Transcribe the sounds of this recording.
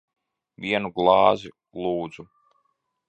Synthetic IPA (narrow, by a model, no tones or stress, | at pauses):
vʲiɛnuɡlˠɑːzi | lˠuːd̪zu